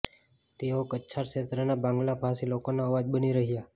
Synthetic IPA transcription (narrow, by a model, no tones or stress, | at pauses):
t̪eokəːt͡ʃʰaɾʃet̪ɾənabãŋɡlapʰasilokonaəʋad͡ʒbəniɾəɦija